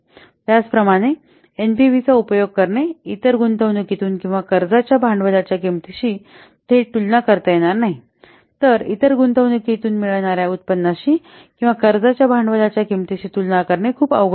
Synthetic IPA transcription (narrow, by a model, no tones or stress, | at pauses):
t̪jat͡spɾəmaɽ̃e | enpiʋit͡saupəjoɡ̚kəɾɳeit̪əɾɡunt̪əʋnəkit̪uːnkĩw̃ʋakəɾd͡zat͡ɕjabʱaɳɖʋəlat͡ɕjakimt̪iɕiː | t̪ʰeʈulnakəɾt̪ajeɽ̃aɾnaɦi | t̪əɾit̪əɾɡunt̪əʋnəkit̪uːnmiɭɳaɾjaut̪̚pənːaɕiː | kĩw̃ʋakəɾd͡zat͡ɕjabʱaɳɖʋəlat͡ɕjakimt̪iɕiːt̪ulnakəɾɳekʰuːpə̰ʋɡ